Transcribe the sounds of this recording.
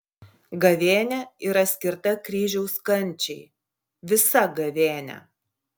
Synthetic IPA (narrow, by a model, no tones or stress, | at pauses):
ɡɐʋʲeːnʲɛiɾɐsʲkʲɪɾt̪ɐkɾʲiːʒʲɛʊskɐnʲˑt͡ʃʲɛɪ | ʋʲɪsɐɡɐʋʲeːnʲɛ̰